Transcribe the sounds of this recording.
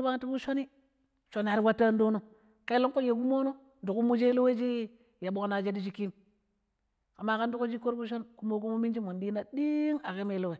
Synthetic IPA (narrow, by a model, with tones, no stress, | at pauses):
ba˦ŋ˦ti˦bu˦ʃo˦ni˦ | ʃo˨na˨ɾi˦wa˦tːa˦n˦do˦no˦ | ka˦i˦lo˦ŋko˦je˨ɡu˦mo˦no˦ | du˨ku˦mu˦d͡ʒe˦lo˦we˦d͡ʒi˦ | ja˨ɓo˨kna˨d͡ʒe˦di˦d͡ʒi˦ki˦m | ka˨ma˦ka˦n˦du˦ku˦d͡ʒi˦ko˦ɾbu˦ʃ̬o˦nku˦mo˦k̬u˦mo˦mi˦nd͡ʒi˦mo˨ndi˦na˨di˦ŋa˨ke˦me˦lo˦we˨